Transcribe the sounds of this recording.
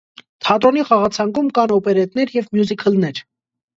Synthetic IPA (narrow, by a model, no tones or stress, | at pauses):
t̪ʰɑt̪ɾɔniχɑʁɑt͡sʰɑŋkumkɑnɔpɛɾɛt̪nɛɾjɛvmjuzikʰəlnɛɾ